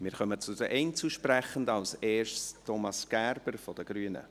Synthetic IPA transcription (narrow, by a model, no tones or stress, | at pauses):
mɪːɾχœmət͡sʊd̥əʔɛɪnt͡suʃpræχəndɑlseːrʃtʰomɑsɡ̥æɾb̥əɾfɔd̥əɡ̥ɾyːnə̰